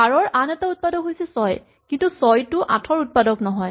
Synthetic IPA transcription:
aɹɔɹʔanɛtaut̚padɔkɦojsɛsɔj | kintusɔjtʊʔatʰɔɹut̚padɔknɔɦɔj

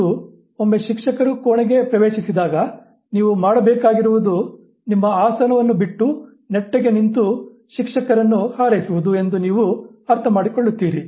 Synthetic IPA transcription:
u | omːe̞ʃikʂɐkɐɾukoːɳeɡe̞pɾɐʋeːʃisid̪aːɡɐ | niːʋumaːɽɐbɛːkaːɡiɾuʋud̪u | nimːɐaːsɐnɐʋɐnːubiʈːu | neʈːeɡe̞nint̪u | ʃikʂɐkɐɾɐnːuhaːɾɐjsuʋud̪ue̞nd̪uniːʋuɐɾt̪ʰɐmaːɽikoɭːut̪ːiːɾi

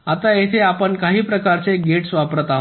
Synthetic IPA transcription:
at̪ajet̪ʰeapəɳkaɦiːpɾəkaɾt͡seɡeʈsʋapɾət̪aɦ

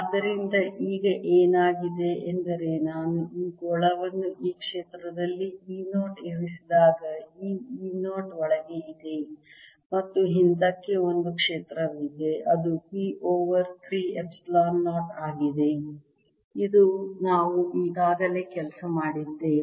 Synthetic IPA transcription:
ɐd̪ɐɾind̪ɐʔiːɡɐʔeːnaːɡid̪e̞ːnd̪ɐɾe̞naːnuiːɡɔɭɐʋɐnːuʔiːkʂeːt̪ɾɐd̪ɐlːiiːnoːʈeɾisid̪aːɡɐiːiːnoːʈɔɭɐɡeid̪e̞ | mɐt̪ːuɦint̪ɐkːe̞o̞nd̪ukʂeːt̪ɾɐʋid̪e̞ʔɐd̪upiːʔoːʋɐɾt̪ʰɾiːepslaːnːoːʈaːɡid̪e̞ | id̪unaːʋuʔiːɡaːɡɐle̞ːkɛlɐsɐmaːɽid̪ːe̞

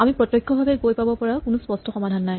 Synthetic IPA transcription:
amipɹɔt̪jɔkʰːɔbʱabɛɡojpabɔpɔɹakʊnuspɔstʰɔxɔmadʱanːaj

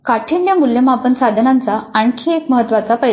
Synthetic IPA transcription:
kaʈʰinjəmuljəmapənsad̪ʱnant͡saaɳ̃kʰiekməɦət̪ːʋat͡sapəj

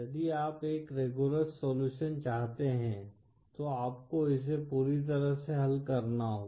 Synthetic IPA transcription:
jɐd̪iaːpeːkɾeːɡuləsːoːluːʃənt͡ʃaːɦt̪eɦɛ̃ | t̪oaːp̚koɪs̬epuːɾit̪̬ɐɾəɦseɦɐlkɐɾnaɦoː

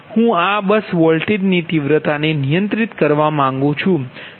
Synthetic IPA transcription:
hũabəsʋɔlʈeɖnit̪iʋɾət̪anenijə̃nt̪ɾit̪kəɾʋamãŋɡũt͡ʃʰũ

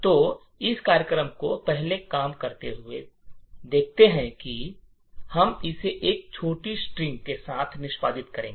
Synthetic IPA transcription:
t̪oː | ɪskaːɾjəkɾəmkopɛɦlekaːmkɐɾt̪eɦʊḛd̪eːk̚ʰt̪eɦɛ̃ki | hɐmɪseʔeːk̚t͡ʃʰoːʈisʈɾɪ̃ŋɡkesaːt̪ʰnɪʃpaːd̪ɪt̪kɐɾẽːɡeː

